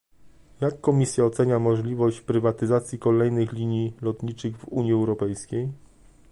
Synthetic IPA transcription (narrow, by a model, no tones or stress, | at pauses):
jakːɔmʲisʲjaɔt̪sɛɲamɔʐlʲivɔɕt͡ɕpɾɘvat̪ɘzat̪sʲjikɔlɛjnɘxlʲiɲilɔt̪ɲit͡ʂɘɣvuɲjiɛwɾɔpɛjskʲej